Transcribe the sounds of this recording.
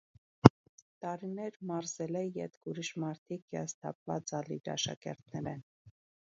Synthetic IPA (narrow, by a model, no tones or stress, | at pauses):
t̪ɑɾinɛɾmɑɾzɛlɛjɛ̰t̪kuɾiʃmɑɾt̪ʰikjɑ̰st̪ʰɑ̰p̚vɑt͡sɑlḭɾɑ̰ʃɑ̰kɛ̰ɾt̪ʰnɛɾɛn